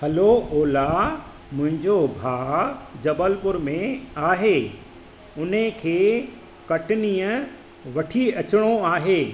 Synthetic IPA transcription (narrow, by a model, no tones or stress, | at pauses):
hɐlooːla | mʊ̃ɦɪ̃ɲd͡ʑobʱaːd͡ʑɐbəlpʊɾmẽaːɦeː | ʊnəkʰeː | kɐʈɪniːə̃ | ʋɐʈʰiɐt͡ɕɪɽ̃oaːɦeː